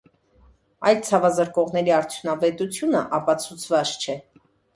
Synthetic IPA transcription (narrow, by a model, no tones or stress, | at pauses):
ɑjlt͡sʰɑvɑzəɾkɔʁnɛɾiɑɾt͡sʰjunɑvɛt̪ut͡sʰjunəʔɑpɑt͡sʰut͡sʰvɑʃt͡ʃʰɛ